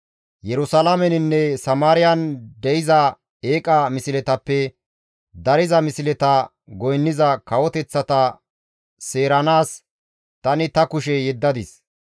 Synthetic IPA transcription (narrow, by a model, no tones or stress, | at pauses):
jɛɾʊsɐlamɛnɪnːɛsɐmaːɾɪjɐnd̪ɛjɪzɐ | eːkʼɐmɪsɪlɛt̪ɐpːɛ | d̪ɐɾɪzɐmɪsɪlɛt̪ɐ | ɡɔjnːɪzɐkɐwɔt̪ɛt͡sːɐt̪ɐ | se̞ːɾɐnaːs | t̪ɐnɪt̪ɐkʊʃɛjɛd̪ːɐd̪ɪs